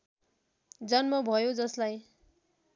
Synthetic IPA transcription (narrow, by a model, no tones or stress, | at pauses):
d͡zʌnmʌbʱʌjod͡zʌslaj